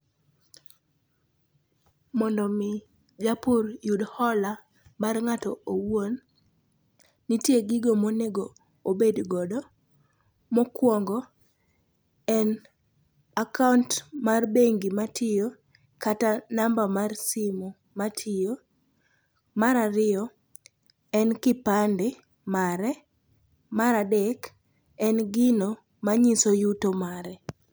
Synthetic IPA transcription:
mɔndɔmɪ | d͡ʒapʊrjudhɔla | marŋatɔowon | itjeɡɪɡomoneɡo | obedɡɔdɔ | mɔkwɔŋɡɔ | ɛn | akauntmarbeŋɡimatʰɪjo | katanambamarsimo | matʰɪjo | maɾaɾɪɔ | ɛnkɪpandɪ | maɾɛ | maɾadɛk | ɛnɡɪno | maɲisojutomaɾɛ

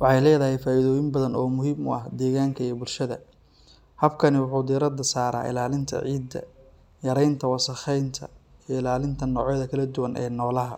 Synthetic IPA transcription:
wɑħɑjlɛːðɐɦɛjfaːʔɪðɔːjɪmbɐðɐnɔːmʊɦiːmʊ̰ɐhd̪ɛːɣaːŋkʰɐibʊlʃɐðɐ̰ | hɐbkʰɐnɪwʊħuːd̪iɾɐd̪ɐsaːɾa̰ːʔɪ̰laːlɪnt̪ʰɐ̰ʕiːd̪ɐ̰ | jɐɾɛjnt̪ʰɐwɑsɐxɛjnt̪ʰɐ̰iɪlaːlɪnt̪ʰɐnɔːʕɛjðɐkʰɐlɐd̪ʊwɐnʔɛ̰ːnɔːlɐɦɐ̰

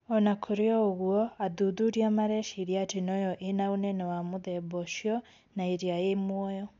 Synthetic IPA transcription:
ɔnakʰoɾeɔoɣuɔaðuðuɾiamaɾɛʃiɾiatenɔjɔʔenaonɛnɛwamoðɛbɔʃiɔ | naeɾiajemwɔjɔ

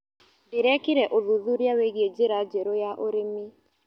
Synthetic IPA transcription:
dɪɾɛkɪɾɛʔoðuðuɾjaweɣied͡ʒeɾad͡ʒeɾojaʔoɾemi

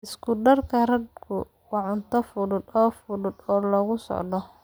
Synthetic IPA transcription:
ʔɪskʰʊɖɐrkʰɐrɐd̪̚kʰʊ | wɑʕʊnt̪ʰɐfʊðʊd̪ɔːfʊðʊd̪ɔːlɔɣʊsɔ̰ʕd̪ɔ

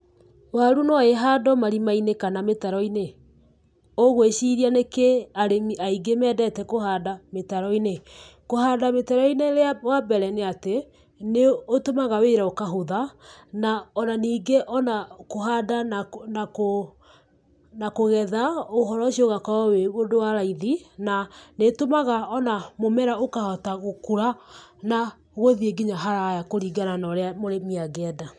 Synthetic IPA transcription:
waɾunɔeɦadɔmaɾimainekanametaɾɔine | oɣweʃiɾianekeaɾemiaiɡemɛːdɛtɛkoɦadametaɾɔinekohaːdametaɾɔineɾeawabɛɾɛneate | neotomaɣaweɾaokaɦoðanaɔnaniːɡeʔɔnakohadannako | nakoɣɛðaoɦɔɾɔʃioɣakɔweodowaɾaiðinanetomaɣaɔnamomɛɾaokahɔtaɣokuɾana | ɣoðieɡiɲaɦaɾajakoɾiɡananɔɾeamoɾemiaɡeɛda

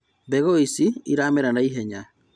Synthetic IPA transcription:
bɛɣoisiiɾaːmɛɾanaiɦɛɲa

